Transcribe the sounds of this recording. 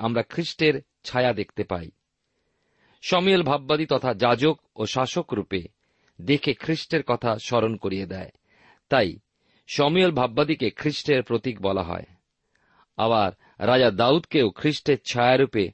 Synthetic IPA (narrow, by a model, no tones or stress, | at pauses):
amɾakʰɾiʃʈeɾ | t͡ɕʰajad̪ek̚ʰt̪epa̰j | ʃɔmiolbʱabːad̪it̪ɔt̪ʰad͡ʑad͡ʑok | oʃaʃokɾupe | d̪ekʰekʰɾiʃʈeɾkɔt̪ʰaʃɔɾonkoɾied̪ɛe | t̪aj | ʃɔmiolbʱabːad̪ikekʰɾiʃʈeɾpɾot̪ikbɔla̰ɦɔ̰e | a̰baɾ | ɾad͡ʑad̪aud̪keokʰɾiʃʈeɾt͡ɕʰajaɾupe